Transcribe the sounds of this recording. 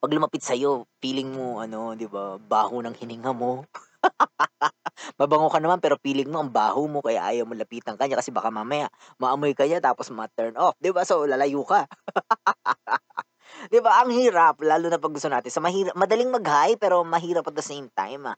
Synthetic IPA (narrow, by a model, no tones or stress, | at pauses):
pɐɡlʊmɐpɪt̪̚sɐjo̞piːlɪŋmoʔɐno̞d̪ɪbabaːhonɐŋhɪnɪŋɐmo | mɐbɐŋokɐnɐmanpɛːɾo̞piːlɪŋ̚moʔɐŋba̰ːhomo̞kɐja̰ʔa̰ːjɐwmolɐpiːt̪ɐŋkɐɲakɐsɛbaːkamaːmɐjaʔ | mɐʔɐmojkɐɲat̪aːposmɐt̪ɛɹnʔofd̪ɪbasolɐlɐjuːka | d̪ɪbaʔɐŋhiːɾɐp̚laːlunɐpɐɡʊst̪onaːt̪ɪnsɐmɐhiːɾɐp̚mɐd̪ɐliŋmɐɡhajpɛːɾo̞mɐɦiːɾɐpːɐt̪̚d̪ɐsejmt̪a̰jmʔa